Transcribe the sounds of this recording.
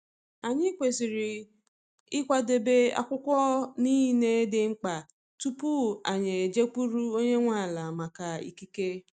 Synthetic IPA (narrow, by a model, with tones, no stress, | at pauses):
a˨ɲɪ˦kʷe˨si˨ɾi˨ | ɪ˦kʷa˦de˨be˦a̰˨kʷʊ˦kʷɔ˦ni˦ne˦dɪ˨ŋ͡m̩˦k͡pa˨ | tu˦pu˦a˨ɲe˨d͡ʒe˦ku˦ɾu˦o˦ɲe˦ŋʷa˦˨la˨ma˨ka˨ḭ˨ki˦ke˦